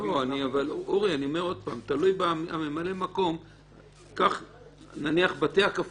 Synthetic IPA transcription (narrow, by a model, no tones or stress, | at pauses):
oaniavaluʁianio̞me̞ʁo̞d̪̚paːmt̪alujbaa̰me̞male̞mako̞m | kaχ | naniaχbat̪eakaf